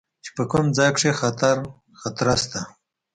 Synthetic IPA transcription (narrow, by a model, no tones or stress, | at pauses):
t͡ʃe̥pəkʊmd͡zɑjkʂexat̪aɾ | xat̪ɾast̪a